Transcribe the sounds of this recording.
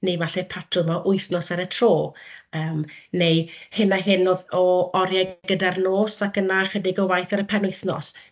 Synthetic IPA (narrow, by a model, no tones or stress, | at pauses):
nevaɬɛpʰatʰrʊmɔʔʊɨθnɔsaɾətʰroːəːmnejhɪnaɦɪnoðɔɔɾjajɡədarnoːsakənaχɛdɪɡɔwajθaɾəpʰɛnʊɨθnɔ̰s